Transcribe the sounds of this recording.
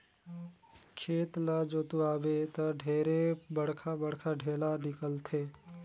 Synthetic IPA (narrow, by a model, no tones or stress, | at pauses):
kʰeːt̪lad͡ʒoːt̪uaːbet̪ɐɖʱeːɾebɐɽ̤kʰabɐɽkʰaɖʱeːlanɪkəlt̪ʰeː